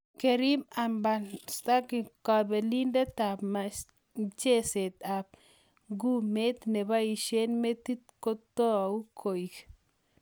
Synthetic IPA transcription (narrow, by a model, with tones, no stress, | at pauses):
ke˧ɾi˦ma˨mba˨nst̪a˦ki˨ka˧be˨li˦nde˦t̪a˨bma˨s | t͡ʃe˦se˨t̪a˨b̚ | ɡu˦me˦t̪ne˨ba˦ji˨ʃe˦nme˦t̪ːi˦t̪̚ko˦t̪o˦˨u˦kʰo˨jk